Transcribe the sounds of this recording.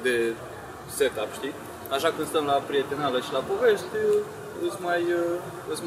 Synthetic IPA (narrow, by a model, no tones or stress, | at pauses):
d̪e | set̪apʃt̪i | aʃakɨnst̪əmlapɾijet̪enaveʃilapoveʃt̪ʲ | ɨsʲmajə | ɨs